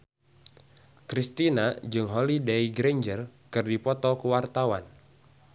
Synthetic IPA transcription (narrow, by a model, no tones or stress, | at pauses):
kɾist̪inad͡ʒɨŋɦolidejɡɾɛɲd͡ʒərkɨrdipɔt̪ɔkəwart̪awan